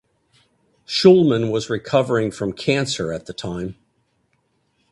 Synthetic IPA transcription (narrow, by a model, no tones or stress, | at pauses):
ʃʊlˠmə̃nwʌzɹɨkʰʌvə˞ɪ̃ŋfɹʌ̃mkʰæ̃nsə˞ɨt̪̚ðɨtʰãɪ̃m